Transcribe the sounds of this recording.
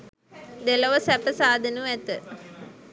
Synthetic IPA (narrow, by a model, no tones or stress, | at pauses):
d̪eləʋəsæpəsaːd̪ʱənuæt̪ə